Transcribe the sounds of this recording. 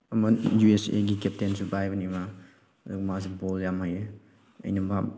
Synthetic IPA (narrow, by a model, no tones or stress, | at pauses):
ɐmɐjuesḛɡikep̚tensubajbɐnima | ɐdukmasiboljamɦaje | ɐ̰jnɐba